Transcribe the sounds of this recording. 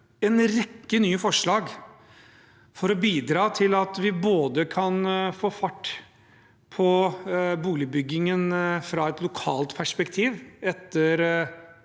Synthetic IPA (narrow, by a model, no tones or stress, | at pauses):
ɛnɾɛkːənyːfɔʂɭɑːɡ | fɔɾɔbiːd̪ɾɑːt̪ʰɪlɑt̪ʋɪboːd̪əkʰɑnfoːfɑʈː | pʰɔbuːlɪbʏɡːɪŋənfɾɑɛt̪lʊkʰɑːlt̪pʰæʂpɛkt̪ʰiːʋɛt̪ːəɾ